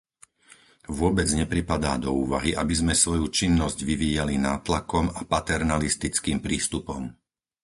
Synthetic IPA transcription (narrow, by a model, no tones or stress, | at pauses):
ʋʊɔbɛd͡zɲɛpɾipad̪aːd̪ɔuːʋa̰ɦiʔabizmɛsʋɔjut͡ʃinːɔzɟʋiʋiːjalinaːt̪lakɔmapat̪ɛɾnalist̪it͡skiːmpɾiːst̪upɔm